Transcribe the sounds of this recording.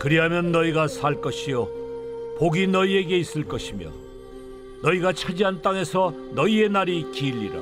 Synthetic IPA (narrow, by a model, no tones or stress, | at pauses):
kɯɾiɦamjʌnːʌiɡasʰaɭk͈ʌɕʰijopoɡinʌie̞ɡe̞is͈ɯɭk͈ʌɕʰimjo̰ | nʌiɡat͡ɕʰad͡ʑiɦant͈aŋe̞sʰʌ | nʌie̞naɾikiʎːiɾa̰